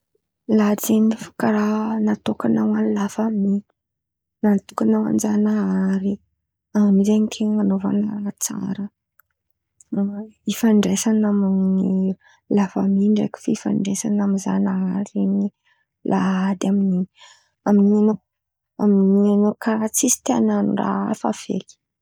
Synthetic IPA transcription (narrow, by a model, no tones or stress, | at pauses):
lat͡senifi̥kaɾanat̪okanawanilafami | nant̪ukanawa̰nd͡ʒanaaɾi | amnizenik̪ʰemanova̰na̰ɾat͡sa̰ɾə | ifaɳɖ͡ʐesanamini | lafamiɳɖ͡ʐḛki̥fifa̰ɳɖ͡ʐesanamiza̰naaɾieɲi | lʔaad̪amini | aminiano | a̰minianokaɾat͡sisi̥t̪iananura̰a̰fa̰v̥ḛli̥